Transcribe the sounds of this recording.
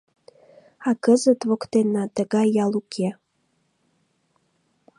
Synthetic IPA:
ɑkəzət̪βokt̪enɑt̪əɣɑjːɑlukʰe

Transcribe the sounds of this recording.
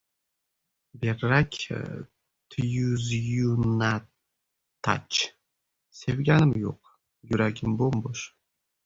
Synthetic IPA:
beɾːakʲ | t̪ʰɨjuzjunat̪ | tʰːa̰t͡ʃ | sevɡʲanɨmjo̰q̚ | juɾaɡʲɪmbomboʃ

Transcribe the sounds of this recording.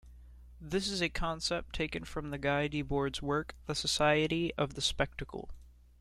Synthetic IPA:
ðɪsɨzɨkʰɑ̃nsɛp̚tʰeɪkɨ̃nfɹʌ̃mðɨɡaɪdibɔɹdzwɜ˞kðɨsɨsaɪɨɾiʌvðɨspɛk̚tɨkʰl̩ˠ

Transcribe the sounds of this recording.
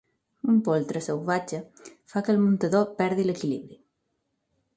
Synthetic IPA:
umpolˠt̪ɾəsəwβat͡ʃəfakəlmunt̪əðopɛɾðiləkiliβɾi

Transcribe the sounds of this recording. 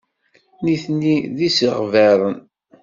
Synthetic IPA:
niθnːiðisəʁvæɾˤən

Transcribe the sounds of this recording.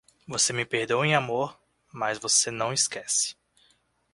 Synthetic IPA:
vosemɪpeɾd̪owẽamoɾ | mazvosenɐ̃w̃ɪskɛsɪ̥

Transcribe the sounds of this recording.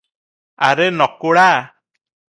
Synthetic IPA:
aɾenɔkːoɽa

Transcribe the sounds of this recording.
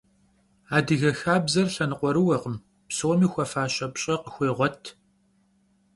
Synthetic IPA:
aːdɨɣɐxaːbzɐrɬɐnɨqʷʼɔɾɨwɐqəm | psoːmiːxʷɐfaːɕʼɐpɕʼɐqəxʷeːʁʷɔtʰ

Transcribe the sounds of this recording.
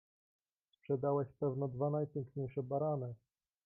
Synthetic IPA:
spʂɛd̪awɛɕpɛvnɔd̪vanajpʲjɛŋkɲejʂɛbaɾanɘ

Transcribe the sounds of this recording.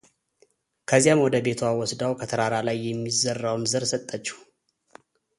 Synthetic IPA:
kʰəzijamwɔd̪əbe̞t̪ʰawɔsd̪awkʰət̪ʰəɾaɾalajːɛmːizərːawnzəɾsət̪ʼːət͡ʃːu̥

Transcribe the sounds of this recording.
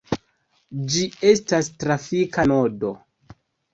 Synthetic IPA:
d͡ʒiestastɾafikanodo̞

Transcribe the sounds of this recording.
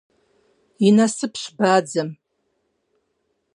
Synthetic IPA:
inasɨpʰʃʷbaːd͡zam

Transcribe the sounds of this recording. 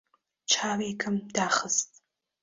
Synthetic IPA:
t͡ʃʰaːwiːkʰɨmdaːχəstʼ

